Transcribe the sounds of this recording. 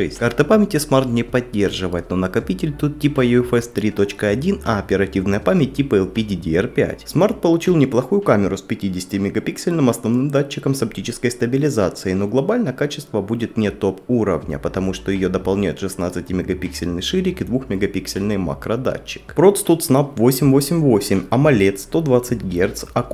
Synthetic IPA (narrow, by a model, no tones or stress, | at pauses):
ɛsʲkart̪ɨpamʲɪtʲɪsmart̪nʲɪpɐdʲːe̞rʐɨvəjɪt̪no̞nəkɐpʲitʲɪlʲt̪ut̪ːʲipəjuɛfɛst̪ɾʲit̪o̞t͡ɕkəɐdʲinɐːpʲɪɾɐtʲivnəjəpamʲɪt̚ʲtʲːipəɛlˠpʲɪdʲidʲɪɛrpʲæ̰tʲsmart̪̚pəlˠʊt͡ɕilˠnʲɪplˠɐxujʊkamʲɪɾʊspʲɪtʲidʲɪsʲɪ̥tʲɪmʲɪɡɐpʲiksʲɪlʲnɨmɐsnɐvnɨmd̪at͡ɕːɪkəmsɐp̚tʲit͡ɕɪskəjst̪əbʲɪlʲɪzat̪sɨɪno̞ɡlˠɐbalʲnəkat͡ɕɪ̥st̪vəbudʲɪt̪nʲɪt̪o̞puɾə̰vnʲə̰pət̪ɐmuʂt̪ojɪjo̞d̪əpɐlˠnʲæjʊt̪ʂɨsnat̪sɨtʲɪmʲɪɡɐpʲiksʲɪlʲnɨjʂɨɾʲɪkɪd̪vuxmʲɪɡɐpʲiksʲɪlʲnɨjma̰kɾəd̪a̰t͡ɕːɪ̥kpɾot̪st̪ut̪snapvosʲɪmʲvo̞sʲɪmʲvosʲɪmʲɐmɐlʲet̪st̪o̞d̪vat̪sɨt̚ʲɡʲert̪sɐk